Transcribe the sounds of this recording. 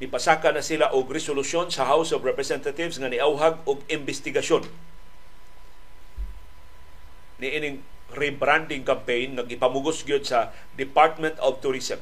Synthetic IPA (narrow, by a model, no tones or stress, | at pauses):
nɪpasakanasilaʔʊɡɾɛsolʊsjonsɐɦawsɔvɹɛpɹɛsɛnt̪at̪ɪvsŋanɪʔawɦaɡʊɡɪmbɛst̪ɪɡaʃjon | niʔinɪŋ | ɾibɾand̪ɪŋkampejnŋaɡɪpamʊɡʊsɡjod̪̚sɐ | d̪ɪpaɹt̪̚mɛ̃nt̪ɔvt̪ʊɾisɛm